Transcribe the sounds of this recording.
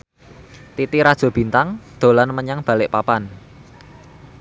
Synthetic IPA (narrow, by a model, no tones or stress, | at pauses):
t̪it̪iɾad̥ʒ̥o̤b̥i̤nt̪aŋd̪̥o̤lanməɲaŋb̥ä̤lɪʔpapan